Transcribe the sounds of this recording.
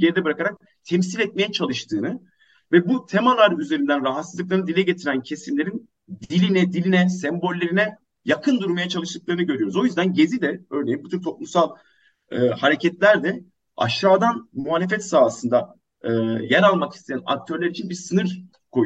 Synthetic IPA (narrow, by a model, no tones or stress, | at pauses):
ɟeɾid̪ɛbɯɾakaɾak̚ | t̪ʰɛms̬ilʲɛt̪̚mejɛt͡ʃʰalˠɯʃt̪ʰɯːnɯ | vɛbut̪ʰɛmalˠaɾyze̞ɾind̪ænɾaɦat̪sɯzˠɯklˠaɾnɯd̪ilʲɛɟe̞t̪ʰiɾæncʰe̞simlʲe̞ɾin | d̪ilʲinɛd̪ilʲinɛsɛmbo̞lʲːe̞ɾinɛ | jakʰɯnd̪uɾmajat͡ʃʰalˠɯʃt̪ɯk̚lˠaɾɯnɯɟøɾyjo̞ɾuzo̞jyzd̪ænɟe̞zid̪ɛøːɾne̞jimbut̪ʰyɾt̪ʰo̞plˠumsalˠː | haɾecʰɛt̪lʲæɾd̪ɛ | a̰ʃːaːd̪anmuɦaːlʲe̞fɛt̪saːsɯnd̪aː | jæɾalˠmaki̥st̪ʰe̞jæna̰k̚t̪ʰø̞ɾlʲæɾit͡ʃʰinbiɾsɯnɯɾ | kʰo̞j